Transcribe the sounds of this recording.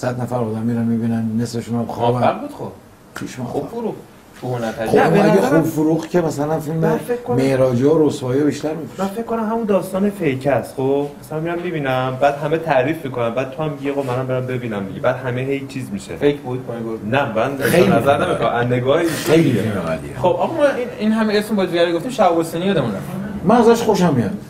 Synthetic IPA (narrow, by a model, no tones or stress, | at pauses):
sæd̪næfæɾod̪æmːiːɾænmibiːnænːe̞sleʃunæmxɒbæbæɾbuːd̪xob | t̪ʰuːʃmɒ̰ubfuɾuχ | funææxoeæeχubfuɾuːχcʰʲemæsælænfilmeekːomehɾɒːd͡ʒeoɾosvɒːjjbiʃt̪æɾmife̥mænfekkːonæmɦæmund̪ɒːst̪ɒːnefejcʰæst̪χobmæsælæmiɾæmːibiːnæmbæːd̪ɦæmet̪ʰæɾiːfmikʰonæmbæːd̪̚t̪ʰohæmːiɟeɣobmænæmbeɾæmbe̞biːnæmbiɟebæːd̪hæmeɦejt͡ʃʰiːzmiʃḛfekbod̪̚knonæmænejnæzæɾnemixɔmænːeɡɒːhiejlimeɣæ̰lḭḛxobʔæmɔmæininɦæmeesmebɒːziɡæɾeɡoft̪imʃæɡosinijɒd̪emund̪æ̰fmænæzæʃχo̞ʃæmːiæn